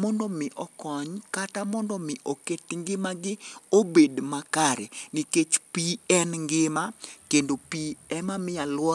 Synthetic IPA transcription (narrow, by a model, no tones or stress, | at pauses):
mɔndɔmɪʔɔkɔɲkatamɔndɔmɪʔoketŋɡɪmaɡɪobedmakaɾɛnɪket͡ʃpiɛnŋɡɪmakendopiɛmamɪjalwɔ